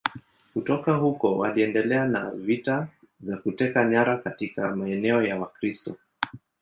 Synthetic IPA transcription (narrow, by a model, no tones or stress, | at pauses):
kutɔkahukɔwa̰liɛndɛlɛanavita | zakutɛkaɲaɾakatikamaɛnɛɔjawakɾistɔ